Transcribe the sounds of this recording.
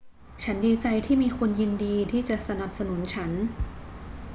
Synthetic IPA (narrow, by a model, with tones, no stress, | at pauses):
t͡ɕʰa˦˥ndiː˧t͡ɕa˧jt̪ʰiː˥˩miː˧kʰu˧nji˧ndiː˧t̪ʰiː˥˩t͡ɕa˨˩ʔsa˧na˨˩p̚sa˧nu˩˦nt͡ɕʰa˦˥n